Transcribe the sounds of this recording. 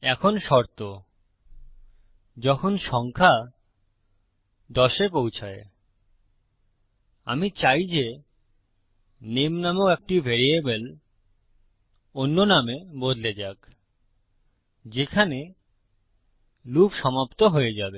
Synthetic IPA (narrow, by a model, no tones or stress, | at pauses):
ɛkʰonʃɔɾt̪o | d͡ʑɔkʰonʃɔŋkʰa | d̪ɔʃepowt͡ɕʰae | a̰mit͡ɕajd͡ʑe | nemnamooek̚ʈibʱeɾiebel | onːonamebod̪led͡ʑak | d͡ʑekʰane | lupʃɔmapt̪oɦojed͡ʑabe